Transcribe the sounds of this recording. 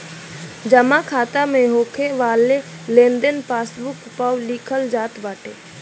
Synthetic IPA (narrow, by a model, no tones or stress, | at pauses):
d͡ʒəmakʰaːt̪amẽɦoːkʰeʋaːle | lẽːnd̪ənpaːsbʊkpawliːkʰəld͡ʒaːt̪baːʈḛː